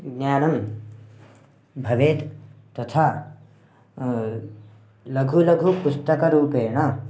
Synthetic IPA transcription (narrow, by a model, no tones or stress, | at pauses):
ɡnjaːnɐm | bʱɐʋeːt̪t̪ɐt̪ʰaː | lɐɡʱulɐɡʱupust̪ɐkɐɾuːpeːɳɐ